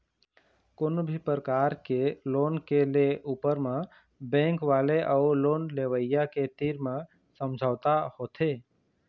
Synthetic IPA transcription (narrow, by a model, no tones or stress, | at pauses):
konobʱipɾəkaːɾkeloːnkeleʔuːpəɾmẽ | bɛ̃ːŋkʋaːleʔaʊloːnleːʋəɪjaket̪iːɾmẽ | sə̃md͡ʒʱaːt̪ahoːt̪ʰeː